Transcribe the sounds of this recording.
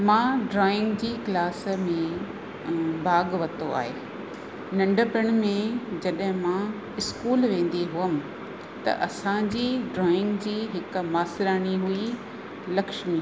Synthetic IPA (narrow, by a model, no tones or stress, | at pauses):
mãːɖɾɔːɪ̃ŋɡd͡ʑiːklaːsmẽ | bʱaːɡʋɐt̪oa̰ːɦeː | nɐ̃ɳɖəpəɽ̃mẽd͡ʑɐɗɦɪ̃mãː | ɪskuːlʋẽːn̆d̪iɦʊəmɪ̆ | t̪ɐ̰ʔɐsãd͡ʑiːɖɾɔːɪ̃ŋɡd͡ʑiːɦɪk̆maːsɪɾaːñiɦui | lɐkʃmi